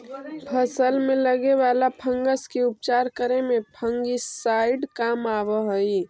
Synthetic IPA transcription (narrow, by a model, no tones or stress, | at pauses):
pʰəsəlmẽləɡeʋalapʰəŋɡəskeup̚t͡ʃaɾkəɾemẽpʰəŋɡisaɪɖkamaʋəɦəji